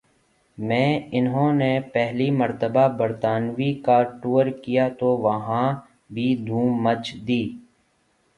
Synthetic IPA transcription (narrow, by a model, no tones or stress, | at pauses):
mɛ̃ːɪnɦõːnepɛɦlimɐɾt̪əbabəɾt̪aːnʋikaʈuːəɾkijat̪oʋɐɦã | bʱid̪ʱũːmːət͡ʃd̪iː